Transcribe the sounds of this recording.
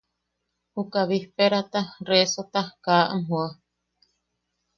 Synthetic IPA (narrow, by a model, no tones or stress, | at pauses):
hukaβihpeɾat̪aresot̪akaʔa̰mɦua